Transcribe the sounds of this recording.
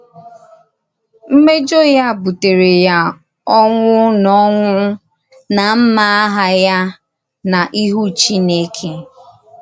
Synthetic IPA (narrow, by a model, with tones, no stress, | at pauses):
m̩˦me˦d͡ʒo˦ja˦˨bu˨te˨ɾe˨ja˦ | ɔ˦ŋʷʊ˦nɔ˦ŋʷʊ˦ | na˨m̩˦ma˦a˦ɦa˦ja˦ | na˨ʔi˦ɦu˦t͡ʃi˦ne˦kʰe˦